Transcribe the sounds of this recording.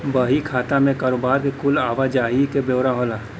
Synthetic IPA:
bəɦikʰaːt̪amẽkaːɾoːbaːɾkekʊlaːʋad͡ʒaːɦikebewɾaɦolaː

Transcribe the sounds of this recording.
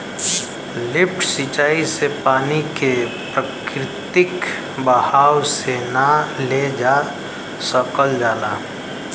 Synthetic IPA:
lɪp̚ʰʈʰsit͡ʃaːisepaːnike | pɾəkɾɪt̪ɪk | bəhaːwsenaled͡ʒa | səkəld͡ʒaːla̰ː

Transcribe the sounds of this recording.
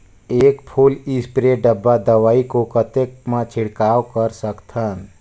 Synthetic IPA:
eːkpʰulɪspɾeɖəbːad̪əʋaːikokət̪ekmãt͡ʃʰɪɽkaːwkəɾsəkt̪ʰən

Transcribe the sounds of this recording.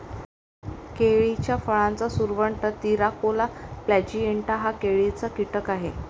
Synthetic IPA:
keɭit͡ɕjafəɭãnt͡sasuɾʋəɳʈət̪iɾakolaplæd͡ʑieɳʈaɦakeɭit͡sakiʈəkaɦe

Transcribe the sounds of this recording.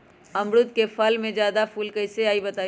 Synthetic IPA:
ɐ̃mɾʊt̪kefɐlmẽd͡ʒjaːd̪afuːlkɐɪseaːibɐt̪aː

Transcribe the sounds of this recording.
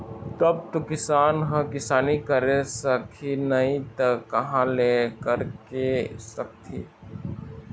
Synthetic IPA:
t̪ɐb̚t̪okɪsaːnɦə̃kɪsaːnikɐɾesəkʰinɐĩt̪ɐkːɐɦãlekəɾkesɐk̚t̪ʰiː

